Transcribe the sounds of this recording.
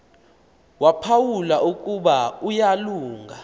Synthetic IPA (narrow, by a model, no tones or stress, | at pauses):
wapʰawulaʔukʼuɓaujaluːŋɡʱa